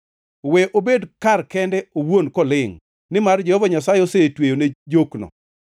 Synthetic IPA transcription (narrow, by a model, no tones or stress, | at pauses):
wɛʔobedkarkɛndɛowonkɔlɪŋ | nɪmard͡ʒɛhɔvaɲasajosetwejoned͡ʒoknɔ̰